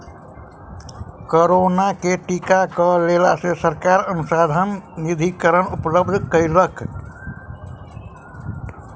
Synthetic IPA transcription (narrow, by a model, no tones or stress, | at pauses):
koɾonakeʈikakəlelasesəɾkaɾənusad̪ʱənnid̪ʱikəɾənupləbd̪ʱkəiɾəkʰ